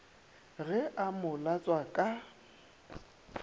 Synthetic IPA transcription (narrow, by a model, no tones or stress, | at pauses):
ɣɛʔamʊlat͡sʼwakʼa